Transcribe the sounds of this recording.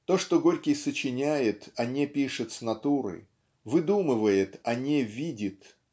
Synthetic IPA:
t̪o̞ʂt̪o̞ɡo̞ɾʲkʲɪjsət͡ɕɪnʲæjɪt̪ɐnʲepʲiʂɨt̪snɐt̪uɾɨ̰ | vɨd̪umɨvəjɪt̪ɐnʲevʲidʲɪt̪

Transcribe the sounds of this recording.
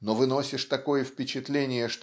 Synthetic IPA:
novɨno̞sʲɪʂt̪ɐko̞jəfpʲɪt͡ɕɪt̪lʲenʲɪjəʂt̪

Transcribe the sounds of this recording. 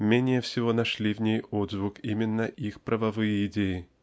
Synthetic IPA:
mʲenʲɪjəfsʲɪvo̞nɐʂlʲivnʲejod̪zvukimʲɪnːəʔixpɾʔəvɐvɨjəɪdʲejɪ

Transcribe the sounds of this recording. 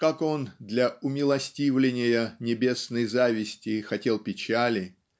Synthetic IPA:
kako̞nd̪lʲɐʊmʲɪlˠɐsʲtʲivlʲɪnʲɪjənʲɪbʲe̞snəjzavʲɪsʲtʲɪxɐtʲe̞lˠpʲɪt͡ɕælʲɪ

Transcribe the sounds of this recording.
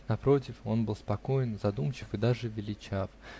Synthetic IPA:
nɐpɾo̞t̬ʲɪfo̞nbɨlˠspɐko̞jɪnzɐd̪umt͡ɕɪfɨd̪aʐɨvʲɪlʲɪt͡ɕaf

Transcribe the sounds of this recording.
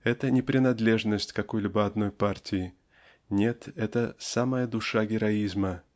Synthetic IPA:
ɛt̪ənʲɪpɾʲɪnɐd̪lʲe̞ʐnəsʲtʲkɐko̞jlʲibəɐd̪no̞jpartʲɪɪ | nʲe̞t̪ɛt̪əsaməjəd̪ʊʂaɡʲɪɾɐizmə

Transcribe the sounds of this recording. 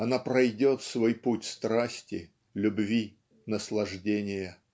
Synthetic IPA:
ɐnapɾɐjdʲo̞t̪svo̞jputʲst̪ɾasʲtʲɪ | lʲʊbvʲi | nəslˠɐʐdʲenʲɪjə

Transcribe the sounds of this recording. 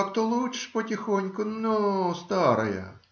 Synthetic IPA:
kt̪ɔlˠut͡ʃʃpɔtʲɪxɔnʲkʊnɔst̪ɑɾɐjɐ̰

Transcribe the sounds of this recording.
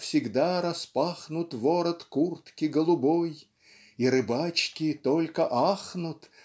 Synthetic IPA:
fsʲɪɡd̪aɾɐspaxnʊt̪voɾət̪kurt̪kʲɪɡəlˠʊboj | iɾɨbat͡ɕkʲɪt̪olʲkəʔaxnʊt̪

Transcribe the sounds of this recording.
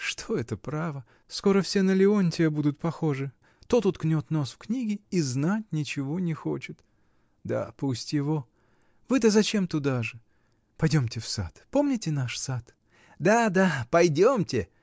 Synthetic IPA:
ʂt̪ʰo̞ɛt̪əpɾavə | sko̞ɾəfsʲe̞nəlʲɪonʲtʲɪbud̪ʊt̪̚pɐxo̞ʐɨ | t̪ot̪ʊt̪knʲo̞t̪no̞sfknʲiɡʲɪiznatʲnʲɪt͡ɕɪvonʲɪxo̞̰t͡ɕɪt̪ | d̪a̰pusʲtʲjɪvo̞ | vɨt̪əzɐt͡ɕe̞mt̪ʊd̪aʐɨ | pɐjdʲo̞mtʲɪfsa̰t̪po̞mnʲɪtʲɪnaʂsat̪ | d̪ad̪apɐjdʲomtʲɪ

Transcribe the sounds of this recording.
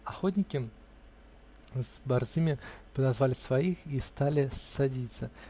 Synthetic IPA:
axɔt̪̬ʲnʲikʲɪ | zbarzɨmʲɪpəd̪azvalʲɪsvajixist̪alʲɪsːad͡zʲit̪sɐ

